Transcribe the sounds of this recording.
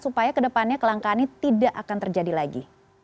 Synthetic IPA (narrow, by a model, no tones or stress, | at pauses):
supajakədəpanɲakəlaŋkanit̪idaʔakant̪ərd͡ʒadilaɡḭ